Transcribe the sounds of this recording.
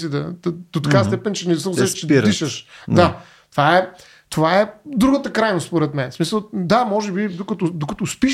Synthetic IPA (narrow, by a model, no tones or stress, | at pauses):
sid̪ɐd̪d̪ot̪ɐkast̪ɛpɛnt͡ʃɛnɛsəzɛʃt͡ʃɛdɾiʃəʃd̪a | t̪ovaɛ | t̪ovaɛd̪ɾuɡət̪əkɾajnost̪spoɾɛt̪mɛnsmisəlˠd̪amɔʒɛbid̪okɐt̪od̪okɐt̪ʊspiʃ